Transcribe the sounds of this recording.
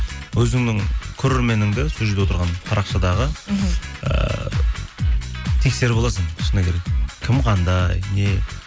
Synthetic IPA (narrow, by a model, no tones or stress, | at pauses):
wɵzɪŋnɪŋkʲʰɵɾe̞ɾme̞nɪŋd̪ɪsuʒed̪ʲewot̪əɾʁɑnpʰɑɾɑqʃɑd̪ɑʁə | ə̰ | t̪ʰe̞kse̞ɾɪbolˠɑsənʰʃənəkʲʰe̞ɾe̞kkʲʰɪmqʰɑnd̪ɑjne̞